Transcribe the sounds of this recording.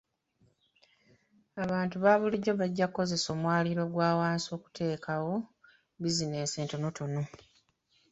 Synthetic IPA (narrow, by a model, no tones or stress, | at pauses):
aβaːntuβaːβuliɟo̞βaɟːakːo̞ze̞so̞ːmwaːliɾo̞ɡwaːwaːnso̞ːku̥tʰe̞ːkawo̞ | bizineːnse̞ːnto̞no̞to̞no̞